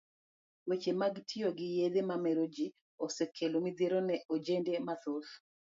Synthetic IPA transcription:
wet͡ʃemaɡtʰioɡɪjed̪emamɛɾod͡ʒi | osekʰːelomid̪eɾonɛʔod͡ʒendemaθoθ

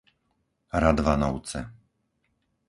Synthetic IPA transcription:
ɾad̪ʋanɔʊt͡sɛ̰

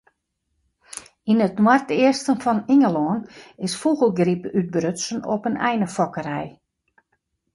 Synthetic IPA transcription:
inətnwartɪərstənfɔniŋəlɔːnɪsfuɣəlˠɡripyt̚brøtsənɔpənɛjnəfɔkəɾɛj

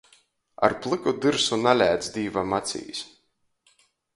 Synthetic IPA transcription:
a̰ɾplˠɨkud̪ɨɾsunalʲæːd̪sd̪iːvamat̪sʲḭːs

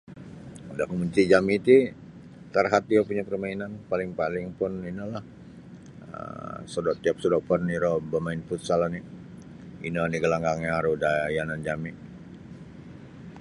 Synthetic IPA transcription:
udaʔkəmuɲt͡ʃid͡ʒamit̪i | t̪arɦat̪̚iapuɲapərmainanpalɪŋpalɪŋpʊninəlah | ə̰sədɔʔt̪iap̚sədɔpərniɾɔbəmaɪnput̪salani | ḭnoaniɡəlaŋɡaŋɲaaɾudajanand͡ʒamiʔ

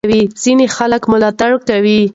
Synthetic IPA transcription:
wiz̥inexaləkmʊlɑt̪aɽkawi

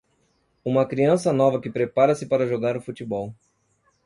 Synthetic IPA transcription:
ũmɐkɾiɐ̃sɐnɔvɐkɪpɾepaɾɐsɪpaɾɐʒoɡaɾʊfut͡ʃibɔw

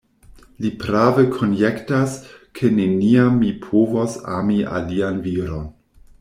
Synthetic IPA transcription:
lipɾavekʰonjektaskʰeneniamːipʰovosa̰mia̰lianviɾon

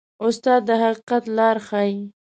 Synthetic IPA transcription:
ʊst̪ɑd̪ːəɦaqiqat̪lɑɾxɑi

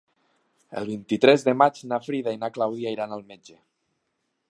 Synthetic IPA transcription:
ḛlˠβ̞int̪it̪ɾɛzðəmat͡ʃnafɾiðainaklawðiaiɾanalˠmed͡ʒe

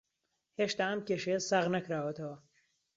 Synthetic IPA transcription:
heːʃt̪aːɐmkʲeʃejsaːʁnɐkɾaːwɐt̪ʰɐwɐ

